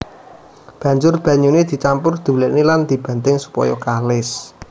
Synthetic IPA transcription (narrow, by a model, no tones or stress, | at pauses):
b̥ä̤ɲd͡ʒʊrb̥ä̤ɲuned̪̥i̤t͡ʃampʊrd̪̥ṳlɛʔniland̪̥i̤b̥a̤nt̪ɪŋsu̥pɔ̰jɔ̰kalɪs